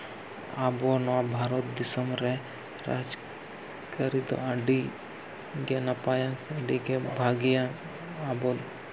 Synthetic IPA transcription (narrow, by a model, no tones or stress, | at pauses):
abonabʱaːɾot̪̚d̪ɪsəmɾɛ | ɾa̰ːd͡ʒ | kəɾit̪o̰ɐɖi | ɡenapaːjasɐɖikebʱaːɡijã | abo